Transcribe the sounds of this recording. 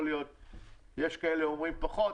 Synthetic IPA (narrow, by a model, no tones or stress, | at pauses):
lijot̪̚ | jeʃkaeleomʁimpaχo